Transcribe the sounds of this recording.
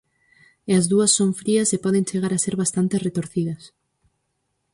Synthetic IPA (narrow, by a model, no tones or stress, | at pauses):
eazðuɐsːoɱfɾiɐsepɔðẽnt͡ʃeɣaɾaseɾβast̪ant̪eret̪oɾθiðɐs